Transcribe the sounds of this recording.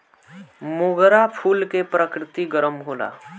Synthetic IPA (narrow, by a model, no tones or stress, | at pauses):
moɡɾapʰuːlkepɾəkɾɪt̪iɡəɾəmɦoːla̰ː